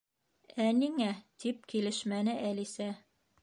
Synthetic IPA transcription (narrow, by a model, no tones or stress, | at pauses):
æniŋæt̪ip̚kilɘ̆ʃmænɘʔælisæ